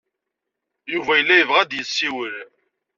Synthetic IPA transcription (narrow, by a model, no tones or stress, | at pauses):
juvæjəlːæjəvʁæd̪jəsːiwəɾ